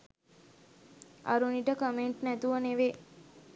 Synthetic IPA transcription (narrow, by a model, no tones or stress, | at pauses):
a̰ɾuniʈəkəmeɳʈnæt̪uʋəneʋe